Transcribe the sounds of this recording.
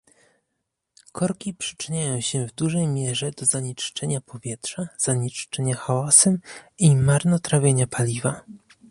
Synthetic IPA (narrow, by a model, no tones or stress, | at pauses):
kʰɔɾkʲipʂɘ̥t͡ʂɘɲajɔ̃w̃ɕɛvd̪uʐɛjmʲjɛʐɛd̪ɔzaɲit͡ʂt͡ʂɛɲapʰɔvʲjɛt̪ʂaz̥aɲit͡ʂt͡ʂɛɲaxawasɛmimaɾnɔt̪ɾavʲjeɲapalʲiva